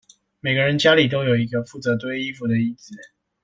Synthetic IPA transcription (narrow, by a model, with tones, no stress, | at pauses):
me˨˩ɪɡə˦ɻə˧˦nt͡ɕja˥li˨˩t̪̬o˥ʊjo˨˩ʊi˧˥ɡə˧fu˥˩t͡sɤ˧˥t̪we˥ɪi˥fu˨˧d̪ə˨i˥˩t͡s̩˨˦